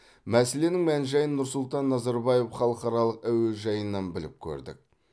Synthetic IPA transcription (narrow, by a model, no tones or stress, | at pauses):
mæse̞le̞nɪŋmænʒɑjənːʊɾsʊlˠt̪ɑnːɑzɑɾbɑje̞fχɑlˠəqɑɾɑlˠəqæweʒɑjənːɑnbɪlɪ̰p̚kʲʰɵ̰ɾd̪ɪ̰k̚